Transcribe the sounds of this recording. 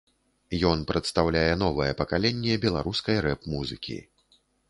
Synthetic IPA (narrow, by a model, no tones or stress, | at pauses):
jɔnpɾɐt̪st̪awlʲajɛnɔvɨjɛpɐkalʲɛnʲːɛbʲɛlˠa̰ɾuskɐjɾɛpmuzɨkʲḭ